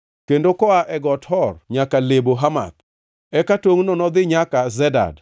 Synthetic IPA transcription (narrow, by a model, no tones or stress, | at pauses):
kendokɔaʔɛɡɔthɔrɲakaleboɦama̰t̪̚ | ɛkatoŋnɔnɔd̪ɪɲakazɛda̰d